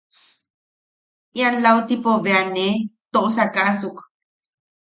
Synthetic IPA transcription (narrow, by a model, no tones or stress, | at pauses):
janlawt̪ipoveanet̪oʔsakaʔsuk